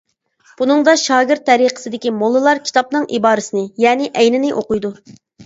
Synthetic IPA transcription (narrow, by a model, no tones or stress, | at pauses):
b̥unɨŋd̪ɑʃɑːɡʲɪɾt̪ʰːɛɾiqə̥sɨd̪ɪkʲimolˠːɨlˠɑɾkʲʰi̥t̪ʰɑp̚nɨŋʔibɑːɾɨsɪnɪjɛːnɪʔɛjnɪnɪʔoqujd̪u